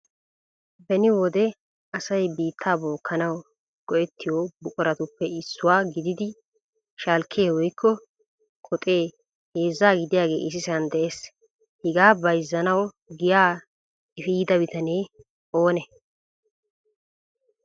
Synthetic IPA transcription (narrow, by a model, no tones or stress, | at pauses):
bɛnɪwɔd̪ɛ | ɐsɐjbiːt̪ʰːaːbo̞ːkʰːɐnɐw | ɡ̥ɔʔɛt̪ʰːɪjobʊkʼɔɾɐt̪ʊpːɛɪsːʊwaːɡɪd̪ɪd̪ɪ | ʃalkʰːeːwɔjkʰːɔ | kʰɔt̪ʼe̞ː | heːzːaːɡɪd̪ɪjaːɡe̞̰ːʔɪs̬ɪsɐnd̪ɛʔe̞ːs | hɪɡaːbɐjzːɐnɐw | ɡɪjaː | ɪfiːd̪ɐbɪt̪ɐneː | o̞ːnɛ